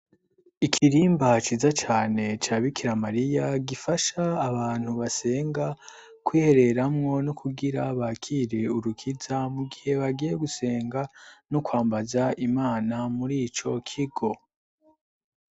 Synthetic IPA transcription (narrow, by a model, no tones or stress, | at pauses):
ikʰiɾiːmbat͡ʃiːzat͡ʃaːne̞t͡ʃaːβikiɾamaɾijaɡifaʃaːβaːn̥huβase̞ːŋɡa | kwiːhe̞ɾe̞ɾamŋo̞nukʰuɡiɾaβakʰiːɾe̞uɾukʰizamuɡihe̞βaɡijeɡuse̞ːŋɡanukwaːmbazaimaːnamuɾiːt͡ʃo̞kʰiɡo̞